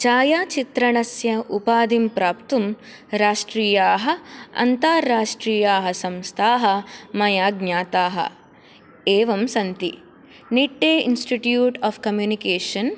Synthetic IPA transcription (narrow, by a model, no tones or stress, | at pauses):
t͡ʃaːjaːt͡ʃit̪ɾɐɳɐsjɐʔupaːd̪impɾaːpt̪um | ɾaːʂʈɾiːjaːɦɐ̆ɐ̰nt̪aːɾːaːʂʈɾiːjaːɦɐsɐmst̪ʰaːɦɐ̆mɐjaːɡnɲaːt̪aːɦɐ̰ | eːʋɐmsɐnt̪i | niʈːeːinsʈiʈjuːʈaːfkɐmjuːnikeːʂɐn